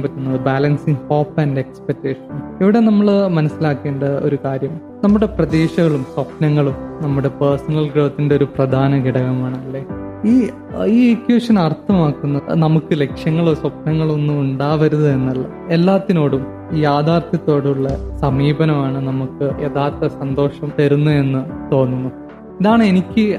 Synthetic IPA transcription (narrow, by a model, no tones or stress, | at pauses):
ampɐtːunːɐðɨbalɐnsiŋho̞ːpːɐnɖekspek̚tːeːʂɐniʋiɽe̞nɐmːɐɭmɐnɐsːilaːkːe̞ːɳɖɐo̞̰ɾukaːɾjɐm | nɐmːuɽe̞prɐd̪eːʂɐɣɐɭumswɐpnɐŋːɐɭumnɐmːuɽe̞peːrsɐnɐlɡɽɐːɐt̪ːindeoɾuprɐd̪ʱaːnɐɡiɽɐɣɐmaːɳɐlːe̞ː | iː | iːekjuːʂɐnɐrt̪ʰːɐmaːkːunːɐnɐmukːɨle̞kʂjɐŋːɐɭo̞ːswɐp̚nɐŋːɐɭo̞nːumuɳɖaːʋɐɾuðɐe̞nːɐlːɐ̰ | elːaːt̪ːino̞ːɽum | jaːd̪ʱaːrt̪ʰjɐt̪ːo̞ːɽuɭːɐsɐmiːbɐnɐmaːɳɨnɐmukːɨʔeːðaːrt̪ːɐsɐnd̪o̞ːʂɐmt̪ɐɾunːue̞nːɨt̪o̞ːnːunːu | iðaːɳɨe̞nikʲːɨ